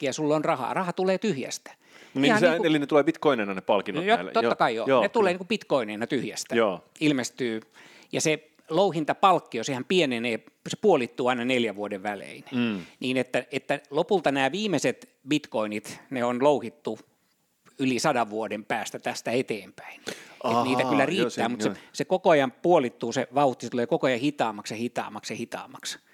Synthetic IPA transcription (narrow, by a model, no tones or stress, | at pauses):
kiæsulːonrɑhɑ̰ːrɑhɑt̪uleːt̪yhjæ̰st̪æ̥ | nihɑnsiːelinet̪uleːpit̪koinenɑnepɑlkinojoæ̰t̪ot̪ːɑ̥kɑijo̰net̪uleːniŋkupit̪koineːnɑt̪yhjæst̪æoːilmest̪yː | jɑse | louhint̪ɑpɑlkːiosehæmpieneneː | se̥puolit̪ːuːɑinɑneljæʋʋuodeʋʋælḛinniːnet̪ːæet̪ːælopult̪ɑnæːʋiːmeset̪ | bit̪koinit̪neonlouhit̪ːu | ylisɑdɑʋʋuodempæːst̪æt̪æst̪æet̪eːmpæ̥inḛniːt̪æylːæriːæːmut̪sesekokoɑjɑmpuolit̪ːuːseʋɑuht̪ːiset̪uleːkokoɑjɑhit̪ɑːmɑksjɑhit̪ɑ̰ːmɑksjehit̪ɑ̰ːmɑks